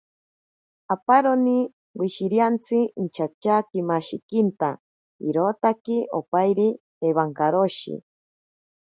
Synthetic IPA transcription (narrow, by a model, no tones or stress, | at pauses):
apaɾoni | wiʃiɾjant͡sʰiint͡ʃʰat͡ʃakimaʃikint̪a | iɾot̪akiʔopajɾi | eβaŋkaɾoʃḭ